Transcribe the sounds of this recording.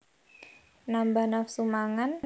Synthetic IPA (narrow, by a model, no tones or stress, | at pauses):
nambanafsumaŋan